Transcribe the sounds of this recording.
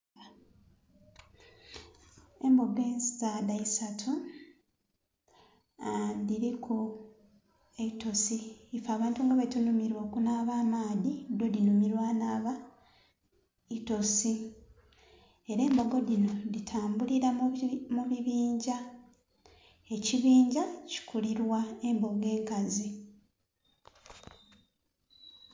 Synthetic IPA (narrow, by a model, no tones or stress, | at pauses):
e̞mboɡeːnzizadaisatʰu | diɾikʰu | eito̞siːfaːβaːntuŋɡaβetunumiɾwo̞ːkunaːβaːmaːðido̞dinumiɾwaːnaːβa | ito̞si | e̞ɾe̞ːmbo̞ɡo̞dino̞ditʰaːmbuliɾamuβiβiːɲɟa | e̞ciβiːɲɟaci̥kʰuliɾwae̞mbo̞ɡe̞ːŋkazi